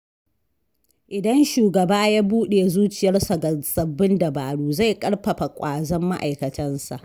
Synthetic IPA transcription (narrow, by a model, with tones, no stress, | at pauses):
ʔɪ˨dɐ˦nʃuː˨ɡɐ˨baː˦jaː˦buː˦ɗeː˨zuː˦t͡ʃɪ˨jɐ˦rsa˨ɡɐ˨nsɐ˨bːɪ˦ndɐ˨baː˨ɽuː˦za˦˨jkʼɐ˦ɽɸɐ˨ɸa˨kʷʼaː˨zɔ˦mːa˦ʔa˨jkɐ˨tʰɐ˦nsa̰˨ʔ